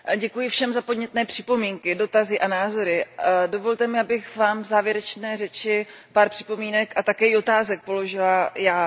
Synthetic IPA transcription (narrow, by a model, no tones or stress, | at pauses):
ɟɛkujɪfʃɛmzapodɲɛt̪nɛːpr̝̥ɪ̥po̞miːŋkɪdo̞t̪azɪʔanaːzo̞ɾɪdo̞vo̞lt̪ɛmɪʔabɪxvaːmvzaːvjɛɾɛt͡ʃnɛːrɛt͡ʃɪpaːɾpr̥ɪ̥po̞miːnɛkat̪akɛːɪo̞t̪aːzɛk̚po̞lo̞ʒɪlajaː